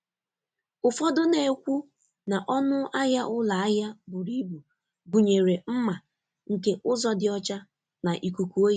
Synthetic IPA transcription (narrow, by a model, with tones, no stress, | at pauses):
ʊ˨fɔ˦dʊ˦ne˨kʷu˦ | na˨ʔɔ˦nʊ˦ʔa˦ja˦ʔʊ˦la˨a˦ja˦bʊ˨ɾi˦bu˨ | ɡu˨ɲe˨ɾe˨m̩˦ma˨ | ŋ̩˨ke˦ʔʊ˦zɔ˦dɪ˨ɔ˦t͡ʃa˦ | na˨ʔi˨kʷu˨kʷu˨o˦˨